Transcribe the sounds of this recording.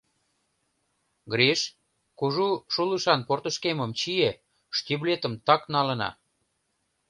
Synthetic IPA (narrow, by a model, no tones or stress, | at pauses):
ɡɾeʃ | kuʒuʃuləʃɑnport̪ə̆ʃkeməmt͡ɕie | ʃt̪ʲiβlet̪ə̆mt̪ɑknɑlənɑ̰